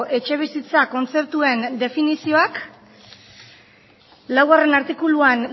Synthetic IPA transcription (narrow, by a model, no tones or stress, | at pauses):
ʔe̞t͡ʃe̞β̞isit͡sako̞nt͡se̞pt̪ue̞nd̪e̞finisio̞ak | lawɣare̞naɾt̪ikuluan